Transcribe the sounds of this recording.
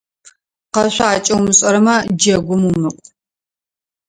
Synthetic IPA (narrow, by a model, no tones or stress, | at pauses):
qɐɕʷaːt͡ʃʼɐwmɨɕʼɐɾɐmɐd͡ʒɐɡʷʊmumɨqʷʼ